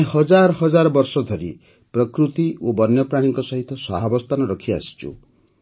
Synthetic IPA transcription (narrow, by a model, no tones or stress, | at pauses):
hɔd͡ʒaɾɔɦɔd͡ʒaɾɔbɔɾsɔd̪ʱɔɾḭ | pɾɔkɾut̪iobɔnjɔpɾaɽ̃iŋkɔsɔɦit̪ɔsɔɦabɔst̪ʰanɔɾɔkʰia̰si̥t͡ʃʰṵ